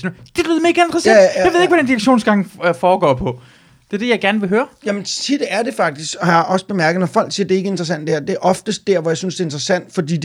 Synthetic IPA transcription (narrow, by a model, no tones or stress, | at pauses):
snd̥e̝b̥lyð̩ˠme̝ːɡ̥æe̝nd̥ʁɐsæjʋe̝ð̩ˠeɡ̥ʋæd̥end̥iʁɐɡ̥ɕo̝̰ːnsɡ̥ɑ̈ŋ̰fɒːɡ̥ɒ̰ːpʰɒ̽ | d̥e̝ɐd̥e̝jɑ̈ɪɡ̥æɐnəʋe̝ɦøːɐjæmənt͡sʰid̥æɐd̥e̝fɑ̈ɡ̥̚d̥isɡ̥hɑ̈jɑ̈ɒ̽sə̥b̥e̝mæɐɡ̥əð̩ˠnɒfɒ̽l̰ɡ̥siːɐd̥e̝e̝ɡəe̝nd̥ʁɐsænd̥æɐd̥e̝æɐʔɒ̽fd̥əsd̥æɐ̰ʋɒ̽jɑ̈synsd̥e̝end̥ʁɐsæn̰d̥fɒ̽d̥ḭːd